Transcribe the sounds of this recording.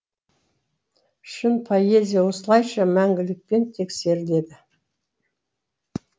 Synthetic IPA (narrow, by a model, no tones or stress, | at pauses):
ʏʃɪnpʰoje̞zʲijɑwo̞səlˠɑjʃɑmæŋɡʲɪlɪk̚pe̞nt̪ʰe̞kse̞ɾɪle̞d̪ɪ